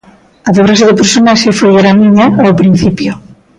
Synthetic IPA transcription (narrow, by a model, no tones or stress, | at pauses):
aðeβɾaʃeðɪpeɾsonaʃefojeɾamĩɲaɛopɾin̟θipjo